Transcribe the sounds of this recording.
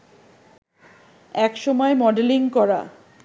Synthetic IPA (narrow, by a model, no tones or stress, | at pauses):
ɛkʃɔmɔemɔɖeliŋkɔɾa̰